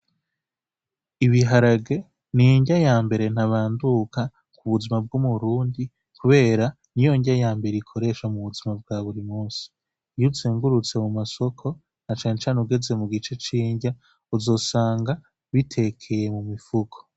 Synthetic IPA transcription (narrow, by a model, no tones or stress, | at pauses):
iβiɦaɾaɡe̞ | nijiɲɟajaːmbe̞ɾe̞n̥haβaːnduka | kuβuzimab̚ɡumuɾuːndi | kuβe̞ːɾa | nijo̞ɲɟajaːmbe̞ɾeikʰo̞ɾe̞ʃamuβuzimab̚ɡaːβuɾimuːsi̥ | jut͡siːŋɡuɾut͡se̞mumaso̞kʰo̞ | nat͡ʃaːnet͡ʃaːneuɡe̞ze̞muɡit͡ʃe̞t͡ʃiːɲɟa | uzo̞ːsaːŋɡa | βitʰe̞kʰe̞je̞mumifukʰo̥